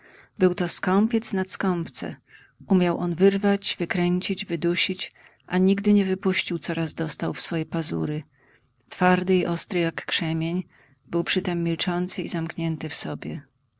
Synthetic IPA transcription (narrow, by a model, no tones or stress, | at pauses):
bɘwt̪ɔskɔmpʲjɛt̪snat̪skɔmpt̪sɛ̰ | ʔumʲjawʔɔnvɘɾvad͡ʑvɘkɾɛɲt͡ɕid͡ʑvɘd̪uɕit͡ɕ | ʔaɲiɡd̪ɘɲɛvɘpuɕt͡ɕiwt̪sɔɾazd̪ɔst̪awfsfɔjɛpazṵɾɘ | t̪faɾd̪ɘiʔɔst̪ɾɘjakːʂɛmʲjeɲ | bɘwpʂɘt̪ɛmːʲilt͡ʂɔnt̪sɘizamkɲɛnt̪ɘfsɔbʲjɛ